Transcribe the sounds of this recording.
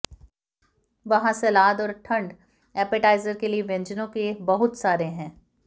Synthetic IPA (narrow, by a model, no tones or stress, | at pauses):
ʋɐɦãselaːd̪ɔːɾʈʰɐ̃ɳɖ | ɛːpəʈaːɪzəɾkelieʋẽɲd͡ʒənõkebɐɦʊt̪saːɾeɦɛ̃ː